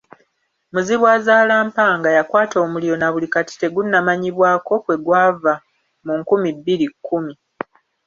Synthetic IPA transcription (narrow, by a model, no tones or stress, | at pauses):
muziβwaːzaːlaːmpaːŋɡajakwaːto̞ːmulijo̞naβulikati̥te̞ɡunːamaɲiβwaːko̞kwe̞ɡwaːva | muŋkumibːilikʰːumi